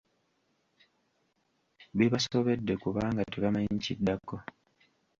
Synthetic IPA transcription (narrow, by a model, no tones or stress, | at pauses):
βeβasoβe̞dːe̞kuβaːŋɡateβamajiɲcidːakːo̞